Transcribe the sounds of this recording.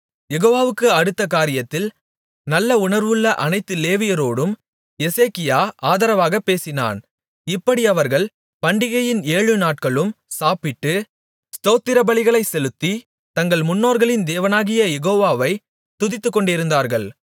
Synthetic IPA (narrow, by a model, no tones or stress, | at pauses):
jɛɣoːʋaːʋɯkːɯɐɽɯt̪ːɐkaːɾɪjɐt̪ːɪl | nɐlːɐʊɳɐɾʋɯɭːɐʔɐnɐɪt̪ːɯleːʋɪjɐɾoːɽɯm | jɛseːkɪjaːʔaːðɐɾɐʋaːɣɐpːeːsɪna̰ːn | ɪpːɐɽiɐʋɐɾɣɐɭ | pɐɳɖɪɣɐjɪneːɻɯnaːʈ̚kɐɭɯmsaːpɪʈːɯ | st̪oːt̪ːɪɾɐbɐɭɪɣɐɭɐɪsɛlɯt̪ːi | t̪ɐŋɡɐɭmʊnːoːɾɣɐɭɪnd̪eːʋɐnaːɣɪjɐjɛɣoːʋaːʋɐɪ | t̪ʊðɪt̪ːɯkːɔɳɖɪɾɯnd̪aːɾɣɐɭ